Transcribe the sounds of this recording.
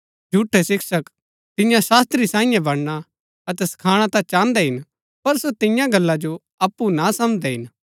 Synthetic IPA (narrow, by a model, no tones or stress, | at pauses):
d͡ʒʱuʈʰːɛsɪksək | t̪ɪjãsaːst̪ɾisãːĩjɛ̃bɐɽɽ̃a | ɐt̪ɛsɐ̥kʰaːɽ̃at̪ãt͡ʃãːnd̪ɛɦɪn | pɐɾsot̪ɪjãɡɐlːad͡ʒo | ɐpːunasɐmd͡ʒd̪ɛɦɪn